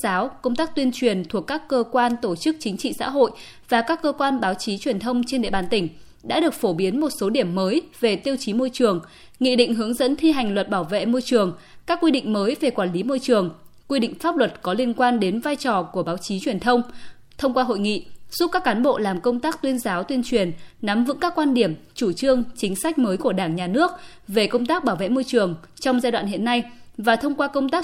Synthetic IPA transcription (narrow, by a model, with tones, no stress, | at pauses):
aː˨˦wkə˧wŋ͡mt̪aː˦˥k̚t̪wi˧ənt͡ɕwi˨˩ənt̪ʰu˨˩əkːaː˦˥kːəː˧kwaː˧nt̪o˧˩t͡ɕɨ˦˥k̚t͡ɕï˨˦ŋ̟t͡ɕḭ˧˨sa̰ː˧˥ɦo̰˧˨j | vaː˨˩kaː˦˥kːəː˧kwaː˧nɓaː˨˦wt͡ɕi˨˦t͡ɕwi˨˩ənt̪ʰə˧wŋ͡mt͡ɕe˧nɗḛ˧˨ɓaː˨˩nt̪ï˧˩ŋ̟ | ɗa̰ː˧˥ɗɨ˨˩ək̚fo˧˩ɓi˨˦ənmo˨˩t̚so˨˦ɗi˧˩əmːəː˨˦jve˨˩t̪i˧əwt͡ɕi˨˦mo˧jt͡ɕɨ˨˩əŋ | ŋḭ˧˨ɗḭ̈˧˨ŋ̟ɦɨ˨˦əŋzə̰˧˥nt̪ʰi˧ɦa˨˩jŋ̟lwə˨˩t̚ɓaː˧˩wvḛ˧˨mo˧jt͡ɕɨ˨˩əŋkaː˦˥kːwi˧ɗḭ̈˧˨ŋ̟məː˨˦jve˨˩kwaː˧˩nli˨˦mo˧jt͡ɕɨ˨˩əŋkwi˧ɗḭ̈˧˨ŋ̟faː˦˥p̚lwə˨˩t̚kɔ˨˦li˧ənkwaː˧nɗe˨˦nvaː˧jt͡ɕɔ˨˩ku˧˩əɓaː˨˦wt͡ɕi˨˦t͡ɕwi˧˩ənt̪ʰə˧wŋ͡m | t̪ʰə˧wŋ͡mkwaː˧ɦo̰˧˨jŋḭ˧˨z̥u˦˥p̚kaː˦˥kːaː˨˦nɓo̰˧˨laː˨˩mkə˧wŋ͡mt̪aː˦˥k̚t̪wi˧ənzaː˨˦wt̪wi˧ənt͡ɕwi˨˩ənna˨˦mvɨ̰˧˥ŋkaː˦˥kːwaː˧nɗi˧˩əmt͡ɕu˧˩t͡ɕɨ˧əŋt͡ɕï˨˦ŋ̟sa˦˥k̟̚məː˨˦jku˧˩əɗaː˧˩ŋɲaː˨˩nɨ˦˥ək̚ve˨˩kə˧wŋ͡mt̪aː˦˥k̚ɓaː˧˩wvḛ˧˨mo˧jt͡ɕɨ˨˩əŋt͡ɕɔ˧wŋ͡mzaː˧jɗwa̰ː˧˨hɦḭ˧˨ənːa˧jvaː˨˩t̪ʰə˧wŋ͡mkwaː˧kə˧wŋ͡mt̪aː˦˥k